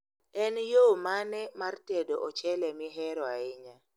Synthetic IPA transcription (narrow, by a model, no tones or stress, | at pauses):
ɛnjomanɛmartedoʔɔt͡ʃɛlɛmɪɦɛɾɔaɪɲa